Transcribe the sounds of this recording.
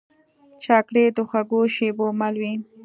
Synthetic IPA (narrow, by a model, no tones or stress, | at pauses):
t͡ʃɑkɽed̪əxaɡoʃebomalwi